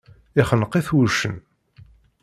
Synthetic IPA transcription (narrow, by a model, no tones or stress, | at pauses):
ɪχənəqːeθwuʃə̰n